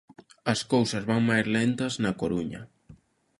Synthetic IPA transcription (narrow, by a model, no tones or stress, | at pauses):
ɐskowsɐzβaŋmajzlent̪ɐznɐkoɾuɲɐ